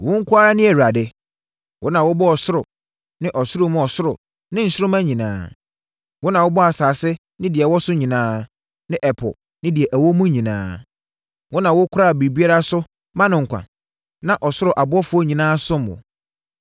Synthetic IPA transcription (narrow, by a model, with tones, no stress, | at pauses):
wʊ̃˦ŋ̩˦kʰʊ˦a˦ɾa˦nɪ̃˦æ˨ɥa˨dɪ˦ | wʔʊ˦nã˨wʊ˦bɔ˦ɔ˨sʊ˦ɾʊ˨ | nɪ̃˦ʔɔ˨sʊ˦ɾʊ˦mʊ̃˦ɔ˨sʊ˦ɾʊ˨ | nɪ̃˦n̩˨˦sɪ˦ɾʊ˦mã˦ɲĩ˨nã̰ː˦ | wʊ˦nã˨wʊ˦bɔ˦a˨saː˨sɪ˦ | nɪ̃˦dɪ˨ɛ˨wɔ˦sʊ˦ɲĩ˨nãː˦ | nɪ̃˦ʔɛ˨pʰɔ̰˨ | nɪ̃˦dɪ˨ɛ˨ʔæ˨wɔ˦mũ˦ɲĩ˨nã̰ː˦ | wʔʊ˦nã˨wʊ˦kʰʊ˦ɾa˦˨bi˨bi˦a˦ɾa˦sʊ˦ | mã˦nʊ̃˨ŋ̩˨kʷʰa̰˨ | nã˨ʔɔ˨sʊ˦ɾʊ˨ʔa˨bʊ˦ɔ˦fʊ˨˦ɔ˦ɲĩ˨nãː˦sʊ̃˦m˨ʊ̰̃˨